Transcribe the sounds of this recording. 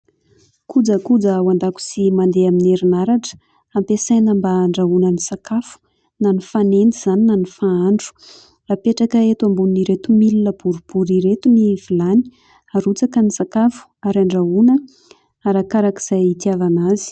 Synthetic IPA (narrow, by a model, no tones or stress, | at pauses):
kud͡zəkud͡zəwand̪aku̥simand̪eamineɾinaɾaʈ͡ʂə̥ | ampesajnəmbaɳɖ͡ʐaunənisakafu̥ | nanifanend̪iz̥aninanifaaɳɖ͡ʐu̥ | rapeʈ͡ʂakəet̪ambunnːiɾet̪umilinəb̥uɾub̥uɾiɾet̪univ̥ilani̥ | aɾut͡sakənisakafu̥aɾaɳɖ͡ʐaunə | aɾakaɾakiz̥ajit̪iavanazi̥